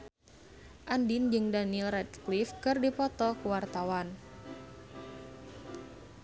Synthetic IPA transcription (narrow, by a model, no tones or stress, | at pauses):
ʔandind͡ʒɨŋdanilrɛt̪klifkɨrdipɔt̪ɔkuwart̪awan